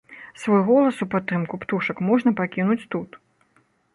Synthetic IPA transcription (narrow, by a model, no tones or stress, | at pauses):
svɔjɣɔlˠɐsupat̪ːɨmkupt̪uʂɐkmɔʐnɐpakʲinut͡sʲt̪ut̪